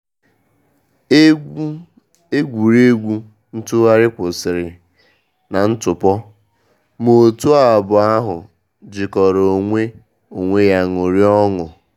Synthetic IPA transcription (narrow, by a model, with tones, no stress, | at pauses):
e˦ɡʷu˨ɾe˦ɡʷu˦ | n̩˦tʊ˦ɣa˦ɾɪ˦kʷʊ˨sɪ˨ɾɪ˨ | na˨n̩˦tʊ˨pɔ˦ | mo˨tu˦a˦˨bʊ˨a˦ɦʊ˨ | d͡ʒɪ˨kɔ˨ɾo˨ŋʷe˦ | o˨ŋʷe˦ja˦ŋʊ˨ɾi˦ɔ˦ŋʊ˨